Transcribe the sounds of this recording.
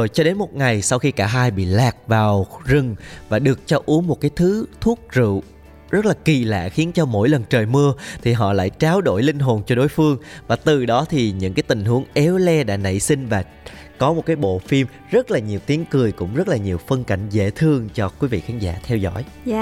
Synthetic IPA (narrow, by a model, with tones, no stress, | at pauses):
zo˨˩jt͡ɕɔ˧ɗe˨˦nmo˨˩t̚ŋa˨˩jsa˧wxi˧kaː˧˩ɦaː˧jɓḭ˧˨laː˨˩k̚vaː˨˩wzɨ˨˩ŋvaː˨˩ɗɨ˨˩ək̚t͡ɕɔ˧ʔu˨˦əŋmo˨˩t̚kaː˨˦jt̪ʰɨ˨˦t̪ʰu˦˥ək̚zɨ̰˧˨ | zə˦˥t̚laː˨˩ki˨˩la̰ː˧˨xi˨˦ənt͡ɕɔ˧mo̰˧˥jlə˨˩nt͡ɕəː˨˩jmɨ˧ət̪ʰi˨˩ɦɔ̰˧˨la̰ː˧˨jt͡ɕaː˨˦wɗo̰˧˩jlï˧ŋ̟ɦo˨˩nt͡ɕɔ˧ɗo˨˦jfɨ˧əŋvaː˨˩t̪ɨ˨˩ɗɔ˨˦t̪ʰi˨˩ɲɨ̰˧˥ŋkaː˨˦jt̪ï˨˩ŋ̟ɦu˨˦əŋʔɛ˨˦wlɛ˧ɗa̰ː˧˥nə̰˧˨jsï˧ŋ̟vaː˨˩ | kɔ˨˦mo˨˩t̚kaː˨˦jɓo̰˧˨fi˧m | zə˦˥t̚laː˨˩ɲi˨˩əwt̪i˨˦əŋkɨ˨˩əjkʊ̰˧˥ŋ͡mzə˦˥t̚laː˨˩ɲi˨˩əwfə˧nka˧˩jŋ̟zḛ˧˨t̪ʰɨ˧əŋt͡ɕɔ˧kwi˨˦vḭ˧˨kʰaː˨˦ŋza̰ː˧t̪ʰɛ˧wzɔ̰˧˥˨j